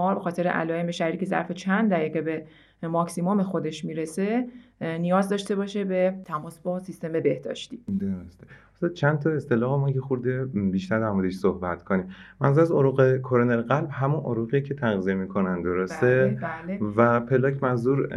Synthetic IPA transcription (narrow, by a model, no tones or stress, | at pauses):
ɒbe̞xɒːt̪ʰe̞ɾeʔæ̰lɒːjemeʃæɾɾiːcʰe̞zæ̰ɾfe̞t͡ʃʰænd̪d̪æɣiːɣebe̞ | mɒksimo̞mexod̪e̞ʃmiːɾese̞nijɒːzd̪ɒʃt̪e̞bɒʃebe̞t̪ʰæmɒːsbɒsist̪e̞me̞be̞hd̪ɒ̰ːʃt̪iːd̪oɾost̪eosɒt͡ʃʰænd̪t̪ʰɒe̞st̪elɒːɣemɒjexuɾd̪ebiʃt̪æɾd̪æɾmod̪eʃsohbæt̪kʰoniːmmænzuɾæzoɾuɣekʰoɾoneɾɣælbɦæmunʔoɾuɣijecʰet̪ʰæɣziemiːkʰonænd̪oɾost̪elvæpʰe̞lɒːcʰmænzuɾ